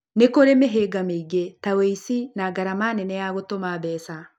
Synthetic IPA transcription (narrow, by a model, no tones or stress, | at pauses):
nekoɾemeɦeɡamiɡetaweisinaɡaɾamanenɛjaɣotomabɛːsa